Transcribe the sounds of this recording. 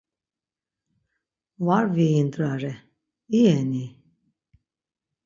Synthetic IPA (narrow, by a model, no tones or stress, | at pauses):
vaɾviind̪ɾaɾɛ | iɛni